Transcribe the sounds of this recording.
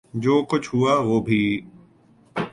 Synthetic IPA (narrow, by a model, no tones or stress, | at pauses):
d͡ʑoːkʊt͡ʃʰɦʊaːʋoːbʱiː